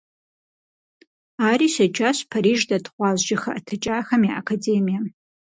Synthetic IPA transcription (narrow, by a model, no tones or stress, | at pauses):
aːɾiːsɐd͡ʒʼaɕpʰaɾiːʒdɐdʰχʷɑːzʒɪxɐ̰ʔtʰɐt͡ʃʼaːxɐmiʔakʰadeːmija